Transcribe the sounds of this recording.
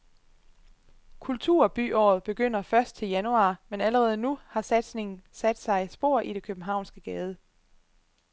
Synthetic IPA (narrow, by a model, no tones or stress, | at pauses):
kʰult͡sʰṵɐ̰b̥y̰ːʔɒ̰ːð̩ˠb̥e̝ɡ̥øn̰ɐfɶɐsd̥̚t͡sʰe̝ljænuɑ̈menæləʁɛːð̞̩ˠnuhɑ̈sæd̥sne̝ŋn̩sæd̥sɑ̈ɪsb̥o̝̰ɐ̰ʔid̥e̝kʰøb̥m̩ɦɑ̈ʊ̰nsɡ̥əɡ̥ɛːð̞ˠə